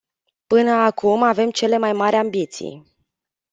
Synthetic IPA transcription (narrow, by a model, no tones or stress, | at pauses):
pɨnəakumave̞mt͡ʃe̞le̞majmaɾʲambit̪sḭj